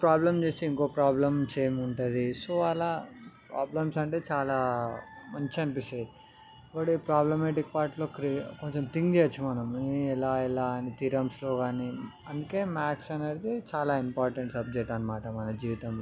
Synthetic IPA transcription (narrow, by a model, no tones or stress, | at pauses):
pɾaːblɐmt͡ʃe̞ːst̪eiŋko̞ːpɾaːblɐmseːɐmuɳʈud̪isoːʋaːɭapɾa̰ːblɐmsɐɳʈe̞ːt͡ʃaːlaːmɐɲt͡ʃiɐnipisɐj | koɽipɾaːblɐmeːʈik̚paːɾʈlo̞ːkɾikoɲt͡ʃemt̪iŋɡd͡ʒeːɐt͡ʃːumɐnɐmilaːilaːnit̪iɾɐmslo̞ːɡaːniː | ɐnd̪uke̞ːmaːksɐnɐɽit̪et͡ʃaːlaːimpaːɾʈɐɳʈsɐb̚d͡ʒek̚ʈɐnɐmaːʈɐmɐnɐd͡ʒiːʋit̪ɐml